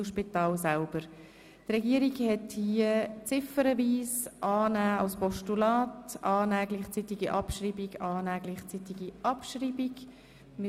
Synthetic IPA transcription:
ʃpitɑːlsalb̥əɾ | trɛɡiəɾiɡhɛthiət͡sɪfəɾəviːsʔɑːnæːɑlspɔʃtulɑːtʔɑːnæːɡlɪχt͡sitiɡiʔɑpʃriːbiɡɑːnæːɡlɪχt͡sit̪iɡiʔɑpʃriːbiɡ | mɪ

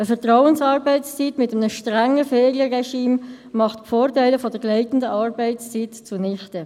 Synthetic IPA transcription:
əfɛʁtʁɔʊənsɑːɾbɛɪst͡sitmɪtəmənəʃtʁæŋəfɛːʁiəʁɛʃiːm | mɑχtpfoːɾtæɪləfɔdəɡlɛɪtən̩dəʔɑːɾbɛɪst͡sitt͡sunɪχtə

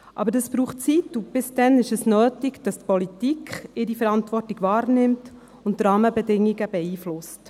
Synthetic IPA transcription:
ʔɑ̰bəɾdɑsb̥ɾuːχt͡situb̥ɪsd̥ɛnɪʃɛsnøːtɪɡd̥ɑstpɔlitikχɪɾifəɾɑntvɔrtiɡʋɑːɾnɪmt | ʊntɾɑːməbɛdɪŋiɡəb̥ɛiːflʊst

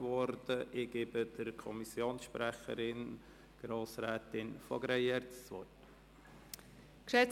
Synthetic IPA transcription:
ʋɔɾd̥əʔɪɡ̥ebəd̥əɾkʰɔmisjoːnsʃpɾæχə̰ɾɪn | ɡ̥ɾoːsɾæːtɪnfɔɡɾɛjɛɾtt͡sʋɔt | kʃɛt͡s

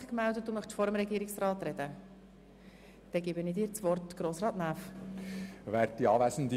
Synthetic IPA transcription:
χkmældət̚d̥̪umœχfɔɾəmɾɛɡiːɾɪksrɑːt̪rɛd̥ə | d̪̥ɛɡɪbəniːdiːɾt͡sʋɔrtɡ̥ɾoːsɾɑːtnæːf | ʋɛːɾt̚tiɑːʋæsəndi

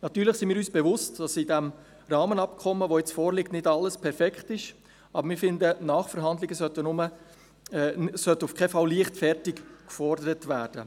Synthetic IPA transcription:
nɑt̪yːɾlɪχsɪnmiːɾyːsb̥evʊstd̥ɑsɪdæm | rɑːmənɑpkʰɔmːəʋojɛt͡sfɔːɾlɪk̚tnɪdɑlːəspʰɛɾfɛkχtɪʃ | ʔɑbəɾmɪːɾfɪndənɑːχfəɾɦɑndlɪɡəsœt̪ənʊmə | sœtufkʰɛfɑlliəχtfɛɾtɪkkfɔrdəɾətvæːɾd̥ə

